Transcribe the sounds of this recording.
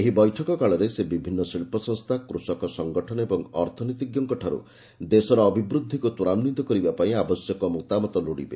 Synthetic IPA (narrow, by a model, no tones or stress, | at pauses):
eɦibɔjʈʰɔkɔkaɭɔɾesebibʱinːɔsiɭpɔsɔŋst̪ʰakɾusɔkɔsɔŋɡɔʈʰɔnɔebɔŋɔɾt̪ʰɔnit̪iɡjɔŋkɔʈʰaɾṵ | d̪esɔɾɔːbibɾud̪ʱːikut̪uɾamnit̪ɔkɔɾibapaĩabɔsjɔkɔmukt̪amɔt̪ɔluɽibe